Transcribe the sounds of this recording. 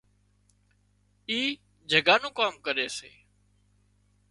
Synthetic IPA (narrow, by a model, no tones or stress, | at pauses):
iː | d͡ʒʱəɡaːnũːkaːmkəɾeːsḛː